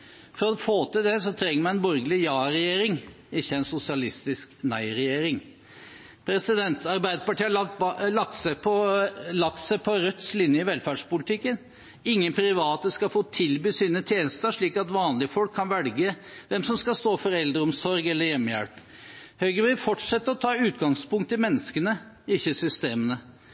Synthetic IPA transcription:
fɔɾɔfoːt̪ɪld̪ɛsɔt̪ʰɾɛŋːəɾmæɛnbɔɾɡəlɪjɑːɾɛjeːɾɪŋ | ɪçːəæɪnsʊsɪɑlɪst̪ɪsknæɪɾɛjeːɾɪŋ | pʰɾɛsɪd̪ɛnt̪ɑɾbæɪd̪əpɑʈiːəlɑk̚t̪sæpʰɔlɑk̚t̪sæɪpʰɔɾœt̪slɪnjəɪʋɛlfæɖʂpʊlɪt̪ʰɪkːən | ɪŋːənpʰɾɪʋɑːt̪əskɑfoːt̪ʰɪlbyːsiːnət̪ʰjeːnəst̪əʂɭiːkɑt̪ʋɑːnlɪəfɔlkʰːɑnʋɛlɡə | ʋɛmsɔmskɑst̪oːfɔɾɛld̪ɾəɔmsɔɾɡɛlːəɾjɛmːjæ̰ɽp | hœʏɡɾəʋɪːfɔʈʂɛt̪ːəɾɔt̪ʰɑːʉːt̪ɡɑŋspʊŋkt̪ɪmɛnːəskənə | ɪçːəsʏst̪eːmənə

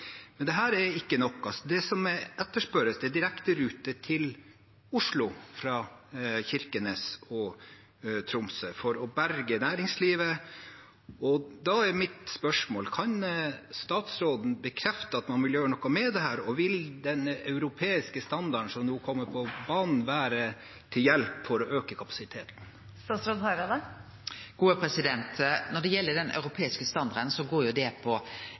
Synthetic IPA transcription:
mɛnd̪ɛɦæːɾɛɾɪkːənɔkːɑlsɔd̪ɛsɔmɛɛt̪ːəʂpœɾəsd̪ɛd̪ɪɾɛkt̪əɾʉːt̪ət̪ʰɪl | ʊʂɭʊfɾɑːçɪɾkənesɔ | t̪ʰɾʊmsəfɔɾɔbæɾɡənæːɾɪŋsliːʋə | ɔd̪ɑɛɾmɪt̪spœʂmoːlkʰɑnst̪ɑːt̪sɾoːd̪n̩bəkʰɾɛft̪əɑt̪mɑnʋɪljøːɾənɔkːɑmɛd̪ɛhæːɾɔʋɪld̪ɛnɑʉɾʊpʰeːɪskəst̪ɑnd̪ɑəɳ̩sɔmnuːkʰɔmːəɾpʰɔbɑːnn̩ʋæːɾə | t̪ʰɪljɛlpfɔɾɔʔøːkəkʰɑpɑ̥sɪt̪ʰeːt̪nn | t̪ɑsɾɔɑɾɑd̪ə | ɡ̥uːəpʰɾɛsɪd̪ɛnt̪nɔɖɛjɛlːəɖɛnʔœ̰ʉɾʊpʰeːɪskəst̪ɑnd̪ɑɾənsɔɡoːɾjʊd̪ɛpʰɔ

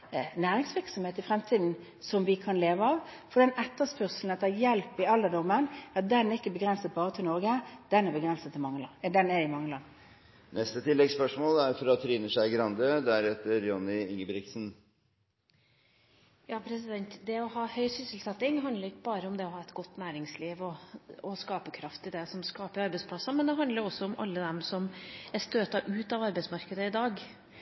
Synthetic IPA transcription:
næːɾɪŋsʋɪɾksɔmheːt̪ɪfɾɛmt̪ʰiːd̪n̩ | sɔmʋɪkʰɑnleːʋəɑʋfɔɖ̪ɛnɛt̪ːəspœʁsln̩ət̪ɑjɛlpɪɑlːəd̪ɔmːənɑt̪̚d̪ɛnæɾɪkːəbəɡɾɛnsət̪̚bɑːɾət̪ʰɪlnɔɾɡəd̪ɛnæbəɡɾɛnsət̪ʰːɪlmɑŋːəld̪ɛnɛɪmɑŋːəlɑnː | nʔɛst̪ət̪ʰɪlːɛɡspœʂmoːlæɾfɔɾɔt̪ʰːɾiːnəʂæɪɡɾɑnd̪əd̪ææɾheːt̪əɾjɔnɪɪŋːəbɾɪksn̩ | jɑːpʰɾɛsɪd̪ɛnt̪d̪ɛɔhɑːhœʏsʏsəl̩sɛt̪ːɪŋɦɑnd̪ləɾɪkːəbɑːɾəʊmd̪ɛɔhɑːɛt̪ɡɔt̪ːnæːɾɪŋsliːʋɔɔskɑːpəkʰɾɑft̪ɪd̪ɛsɔmskɑːpəɾɑɾbɛɪspʰlɑsːɑmɛnd̪ɛɦɑnd̪ləɾɔsɔʊmʔɑ̰lːəd̪ɛmsɔmæst̪øːt̪ɑʔʉːt̪ɑʋɑɾbɛɪtsmɑɾkəd̪əɪd̪ɑːɡ

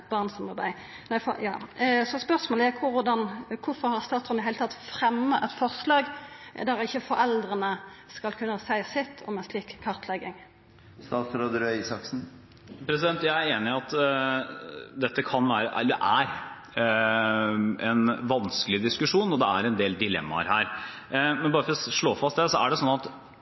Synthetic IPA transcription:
ɛt̪̚bɑʁnsɔmɑbæɪ | næɪfɔjɑ̰ːsɔspœʁsmoːlækʰʊɾʊd̪ɑnkʰʊfɔɾhɑɾst̪ɑːt̪sɔmd̪ɪhæɪlt̪ɑt̪ːfɾɛmːəʔɛt̪fɔʁslɑːɡd̪æʁɪçːəfɔɾɛld̪ɾənə | skɑlkʰʉnːəsæɪsɪt̪ʰːɔ̰mɛnsliːkkʰːɑʁt̪ʰlɛɡɪŋ | st̪ɑːt̪sɾoːd̪əɾœɪsɑksn̩ | pʰɾɛs̬ɪd̪ɛnt̪jæɪæɾeːnɪɑt̪ | d̪ɛt̪ːəkʰɑnʋæːɾəʔ̪d̪ɛʔæɾ | ɛnʋɑnskəlɪd̪ɪskʉʂuːnɔd̪ɛæ̰ɾɛnd̪eːld̪ɪlɛ̰mːɑ̰ɾɦæːɾ | mɛnbɑːɾəfɔɾɔʂɭoːfɑst̪̚d̪ɛsɔæ̰ɖɛsɔnːɑt̪

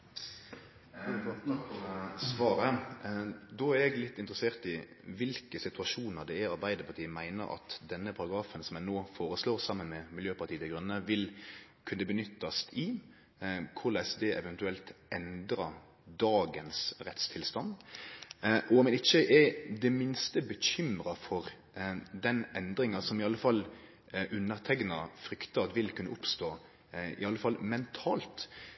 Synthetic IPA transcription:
sʋɑːɾə | d̪oːæɾɛɡlɪt̪ːɪnt̪ɾəseːʁt̪ɪ | ʋɪlkəsɪt̪ʉɑʂuːnəʁd̪ɛæɾɑɾbæɪd̪əpʰɑt̪ʰiːəmæɪnə̰ɾɑ̰t̪d̪ɛnːəpʰɑɾɑɡɾɑːfənsɔmjænoːfoːɾəsloːʁsɑmːənmɛmɪljøːpʰɑʁt̪ʰiːəd̪ɛɡɾʉnːəʋɪlkʰʉnːəbənʏt̪ːɑst̪ʰɪ | kʰʊɾlæːsd̪eːʔɛʋɛnt̪ʉɛlt̪ʔɛnd̪ɾɑ | d̪ɑːɡənsɾɛt̪st̪ʰɪlst̪ɑnd̪ | ʔɔmɛnɪçːəʔɛd̪ɛmɪnst̪əbəɕʏmɾɑfɔɾ | d̪ɛnʔɛnd̪ɾɪŋɑsɔmɪɑlːəfɑlː | ʔʉnːəʁt̪ʰɛɡnɑfɾʏkt̪ɑt̪ʋɪlkʰʉnːəʊpst̪oː | ɪ̰ɑlːəfɑlːmɛnt̪ʰɑːlt̪

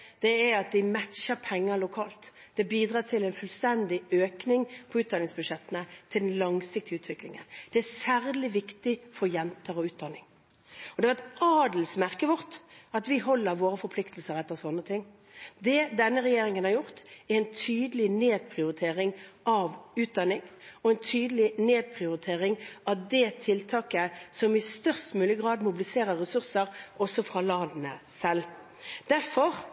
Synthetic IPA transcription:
d̪̥ɛæɾɑt̪̚d̪ɪmæt̪ʃəɾpʰɛŋːəlʊkʰɑːlt̪ | d̪ɛbiːd̪ʁɑːt̪ʰɪlɛɪnfʉlst̪ɛnd̪ɪøːknɪŋpʰɔʉːt̪d̪ɑnɪŋsbʉʂɛt̪ːənət̪ʰɪld̪ɛnlɑŋsɪk̚t̪ɪʉːt̪ʋɪklɪ̰ŋə̰nd̪̥ɛæsæːʁlɪʋɪkt̪ɪfɔɾjɛnt̪ʰəɾɔʉːt̪̚d̪ɑnɪŋ | ɔd̪ɛʋɛt̪ɑːd̪l̩smæʁkəʋʊʁt̪ɑt̪ʋɪɦɔlːəɾʋoːɾəfɔɾpʰlɪkt̪l̩səɾɛt̪ːəsɔnːət̪ʰɪŋː | d̪ɛd̪ɛnːəɾɛjeːɾɪŋənhɑɾjʊʁt̪ɛɾɛnt̪ʰyːd̪əlɪneːd̪̚pʰʁɪʊɾɪt̪ʰeːɾɪŋʔɑʋʉːt̪̚d̪ɑnːɪŋɔɛnt̪ʰyːd̪əlɪneːd̪̚pʰʁɪʊɾɪt̪ʰeːʁɪŋɑd̪ɛt̪ʰɪlt̪ʰɑːkəsɔmɪst̪œʁst̪mʉːlɪəɡʁɑːd̪mʊbɪlɪseːɾəʁɛsʉʁsəɾʔɔsːɔfʁɑːlɑːd̪nəsɛl | d̪̥æɾfɔʁ

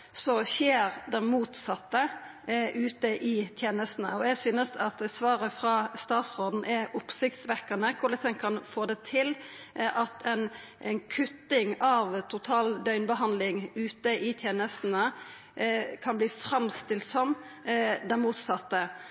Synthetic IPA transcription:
sɔʃeːɾd̪ɛnmuːt̪sɑt̪ːə | ʔʉːt̪əʔɪt̪ʰjeːnəst̪n̩əɔɛɡsyːnəsɑt̪sʋɑːɾəfɾɑst̪ɑːt̪sʁoːd̪n̩ʔɛʔʊpsɪkt̪sʋɛkːənəkʰʊləsɛŋkʰɑnfoːd̪ɛt̪ʰɪlʔɑt̪ʰɛn | ɛnkʰʉt̪ːɪŋɑʋt̪ʰʊt̪ʰɑːld̪œʏnbəɦɑnd̪lɪŋʉːt̪əʔɪt̪ʰjeːnəst̪n̩ə | kʰɑnbliːfɾɑmst̪ɪlt̪sɔm | d̪ɛnmuːt̪sɑt̪ːə

